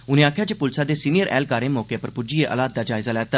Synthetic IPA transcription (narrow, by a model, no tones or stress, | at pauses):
ʊnẽaːkʰjat͡ʃepʊlsad̪esiːnijəɾʔɛ̰ːlkaːɾẽmoːkjepəɾpʊd͡ʒieʔə̰laːt̪̚d̪ad͡ʒaːɪzalat̪ɐ